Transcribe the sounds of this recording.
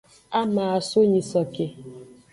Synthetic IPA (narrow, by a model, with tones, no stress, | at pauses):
a˦maː˨a˨so˦ɲi˨sɔ˨ke˨